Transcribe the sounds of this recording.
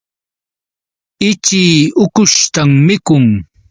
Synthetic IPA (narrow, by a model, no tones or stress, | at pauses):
ɪt͡ʃiːʊkʊʃt̪amːɪkʊŋ